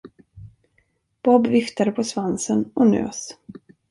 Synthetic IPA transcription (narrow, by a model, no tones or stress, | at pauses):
b̥ɔbvɪft̪ad̪əpʰɔsvansənɔnø̰ːs